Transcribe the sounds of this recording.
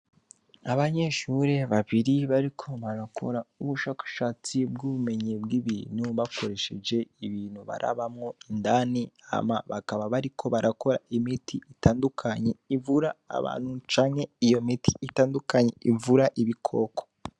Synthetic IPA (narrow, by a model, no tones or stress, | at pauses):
aβaɲe̞ːʃuɾe̞βaβiɾiβaɾikʰo̞βaɾakʰo̞̰ɾauβuʃakḁʃat͡sibɡuβume̞ɲebɡiβḭːn̥huβako̞ɾe̞ʃe̞d͡ʒe̞iβiːnhuβa̰ɾʔa̰βamŋondania̰maβakaβaβaɾikʰo̞βaɾako̞ɾa̰ʔimitʰiitaːndukʰaɲe̞ivuɾaa̰βa̰ːnhut͡ʃaːŋhe̞ijo̞mitʰi̥itaːndukaɲeʔivuɾaʔiβikʰo̞ːko